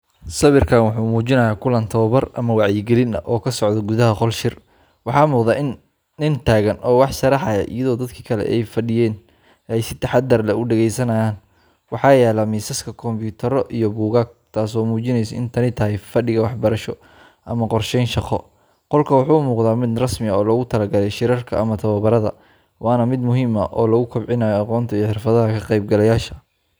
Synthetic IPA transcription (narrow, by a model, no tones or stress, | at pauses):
sɐβɪrkʰaːnwɑħuːmuːt͡ʃɪnɐjaːkʰʊlɐnt̪ʰɔːβɐrɐmɐwɑʕjɪɡɛlɪnɐ̰ʔɔːkʰɐsɔʕðɐɡʊðɐɦɐqɔlʃɪr | wɑħɑːmuːqðaːʔɪnː | ɪnt̪ʰaːɣɐnʔɔːwɑħʃɐɾɑħɑjɐ̰ʔɪjɐðɔːd̪ɐd̪kʰi̥ːkʰɐlɛ̰ʔɛjfɐɖɪjɛːn | ʔɛjsɪt̪ʰɐħɑd̪ɐrlɐʊɖɛɣɛjsɐnɐjaːn | wɑħɑːjɛːlɐmiːsɐskʰɐkʰɔmbjuːt̪ʰɐɾɔʔijɔbuːɣaːɡ̚t̪ʰaːsɔːmuːt͡ʃɪnɛjsɐɪnt̪ʰɐnɪt̪ʰɐɦɛjfɐɖɪɣɐwɑħbɐɾɐʃɔ | ʔɐmɐqɔrʃɛjnʃɑqʰɔ | qɔlkʰɐwɑħuːʊmuːqðaːmɪd̪rɐsmɪɐɔːlɔːɣʊt̪ʰɐlɐɡɐlɛjʃɪɾɐrkʰɐ̰ɐmɐt̪ʰɐβɐβɐɾɐðɐ̰ | wʔɑːnɐmɪd̪mʊɦɪmɐ̰ʔɔːlɔɣʊkʰʊbʕɪnaːjɔɑqɔːnt̪ʰɐijːħɪrfɐðɐɦɐkʰɐqɛjb̚ɡɐlɐjaːʃɐ̥